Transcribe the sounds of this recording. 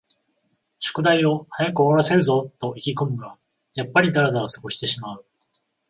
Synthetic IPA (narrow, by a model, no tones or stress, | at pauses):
ɕo̥kɯ̟d̪aio̞hajakɯ̟oɾase̞ɾɯ̟zo̞t̪o̞ʔikʲiko̞mɯ̟ɡa | japːaɾʲid̪aɾad̪aosɨ̥ɡo̞ɕi̥t̪e̞ɕimaɯ̟